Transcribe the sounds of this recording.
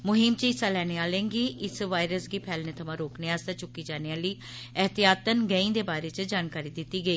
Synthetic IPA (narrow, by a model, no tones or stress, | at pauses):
mʊɦɪmt͡ʃɪsaːlɛːneːaːlẽːɡiːʔɪsʋaːɪɾəsɡiːpʰɛːlneːt̪ʰəmãːɾoːkneːaːst̪at͡ʃʊkːiːd͡ʒaːneːaːliː | ɦt̪ijaːt̪ənɡəĩːd̪eːbaːɾeːt͡ʃd͡ʒaːnkaːɾiːd̪ɪt̪ːiːɡəiː